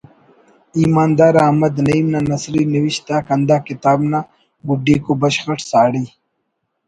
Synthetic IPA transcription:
iːmaːnd̪aːɾaːmɐd̪nɐimnanɐsɾiniwiɕt̪aːkɐnd̪aːkɪt̪aːbna | buɖiːkobɐɕxɐʈsaːɽi

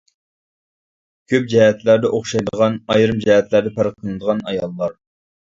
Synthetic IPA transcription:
kʲʰøp̚d͡ʒɛɦɛt̪læɾd̪ɛʔoχʃɑjd̪əəʁɑnɑjɾɨmd͡ʒɛɦɛt̪læɾd̪ɛpʰæɾqʰːənɨd̪əʁɑnɑ̰jɑlˠːɑɾ

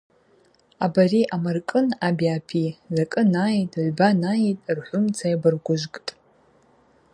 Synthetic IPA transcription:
abariʔamarkʼɨnabiapʰizakʼɨnajtʼʕʷbanaitʼrħʷʊmt͡sʰajabɨrɡʷʊʒʷkʼtʼ

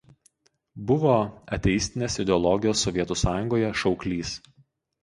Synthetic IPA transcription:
bʊʋoːɐt̪ʲɛjɪsʲt̪ʲɪnʲeːsɪd̪ʲɛɔlˠɔɡʲɪjoːsːɔʋʲiɛt̪uːsɑːjʊŋɡoːjɛʃɒʊklʲiːs

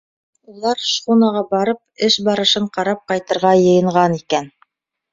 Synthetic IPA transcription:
ulˠɑɾʃχunɑʁɑbɑɾɤp̚ɘʃbɑɾɤ̆ʃɤɴqɑɾɑp̚qɑjt̪ɤ̆ɾʁɑjɤ̆jɤ̆ɴʁɑnikæn

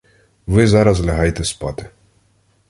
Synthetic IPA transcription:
ʋɪzɑɾɐzlʲɐɦɑjet̪ɛspɑt̪ɪ̥

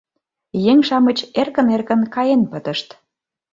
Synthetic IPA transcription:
jeŋʲʃɑmət͡ɕerkə̆nerkə̆nkɑjenpət̪ə̆ʃt̪

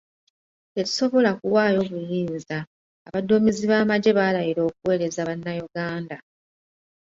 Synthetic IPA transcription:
e̞ɾi̥so̞βo̞lakuwaːjo̞ːβujiːnzaː | βadomiziβaːmaɟe̞βaːlajiɾo̞ːk̚uwe̞ːɾe̞zaβanːajuɡaːnda

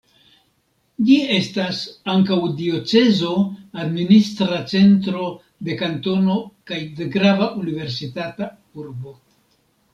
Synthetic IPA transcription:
d͡ʒie̞stasaŋkawdio̞t͡se̞zo̞administɾat͡se̞ntɾo̞ | d̪e̞kanto̞no̞kajde̞ɡɾavaʔunive̞ɾsitata | uɾbo̞

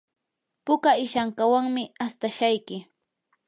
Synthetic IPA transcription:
pʊkaɪʃaŋkawaŋmɪast̪aʃajkɪ

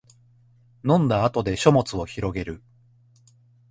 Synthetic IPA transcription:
nõ̞nd̪aːt̪o̞d̪e̞ɕo̞mo̞t͡sɨo̞çiɾo̞ɡe̞ɾɯ̟

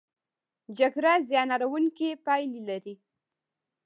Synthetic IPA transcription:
d͡ʒaɡɾɑzjɑnɑɾawuŋkipɑjlilaɾi

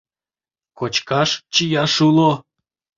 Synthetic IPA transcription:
kot͡ɕkɑʃt͡ɕijɑʂulˠo

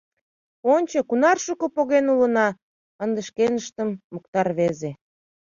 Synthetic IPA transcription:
onʲt͡ɕɤkunɑrʃukŏpoɣenulə̆nɑ | ənd̪ə̆ʃkenəʃt̪əmːək̚t̪ɑrβeze

